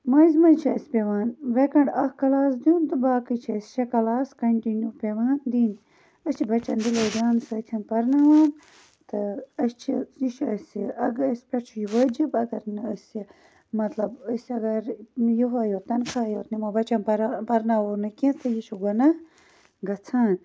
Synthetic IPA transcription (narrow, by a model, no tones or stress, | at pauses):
mɐizʲmɐt͡ʃʰiɐsʲpʲeʋaːnʋekɐɳɖɐhkɐlaːs̬d̪jund̪ɨbaːkɨt͡ʃʰiɐsʲʃekɐlaːskɐɳʈinjuːpʲeʋaːnd̪iːn | ɐst͡ʃʰibɐt͡ʃɐnd̪iloːd̪ʲaːnsɐːt̪ʰinpɐɾnaʋaːn | t̪ɨɐst͡ʃʰiiʃɐsʲiɐɡəsʲpʲɐt͡ʃʰujiʋəd͡ʒibɐɡɐɾnɐsʲi | mɐt̪lɐbəsʲɐɡɐɾjiɦaːjoːt̪ːɐnkʰaːjoːt̪nimɐbɐt͡ʃɐnpɐɾpɐɾnaoːɾnɨkĩt̪ʰɐjiʃuɡɐnɐ | ɡɐt͡sʰaːn